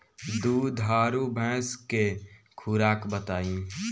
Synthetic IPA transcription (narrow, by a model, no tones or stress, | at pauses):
d̪uːd̪ʱaːɾubʱɛ̃ːske | kʰuːɾaːkbət̪aːĩ